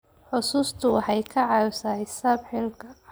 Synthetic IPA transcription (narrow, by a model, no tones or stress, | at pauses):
ħʊsuːst̪ʰʊħɛjkʰɐʕɑsaːħɪsaːbħɪlkʰɐ